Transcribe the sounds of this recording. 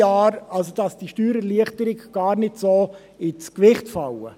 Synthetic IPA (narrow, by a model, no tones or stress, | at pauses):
ɑːɾɑlsod̥ɑsd̥iʃtyːɾɛliəχtəɾɪɡɡ̥ɑːɾnɪdsoː | ɪt͡skʋɪχtfɑwə̰